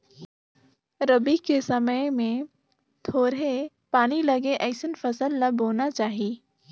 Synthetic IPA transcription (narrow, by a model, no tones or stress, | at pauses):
ɾɐbikesɐməmẽ | t̪ʰoːɾe | paːnilɐɡeʔɛːɪsənfɐsəlːɐbʱoːnat͡ʃaːɦiː